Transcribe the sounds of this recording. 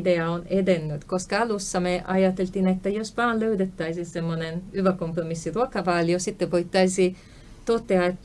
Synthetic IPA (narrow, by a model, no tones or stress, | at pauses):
d̪eɑoned̪enːyt̪koskɑɑlusːɑmeʔɑ̰jɑt̪elt̪inet̪ːæjosʋɑːnløyd̪et̪ːæisisemːonenyʋækompromisːiruokɑʋɑːliosit̪ːeʋoit̪ːɑisi | t̪ot̪ːeɑet̪ː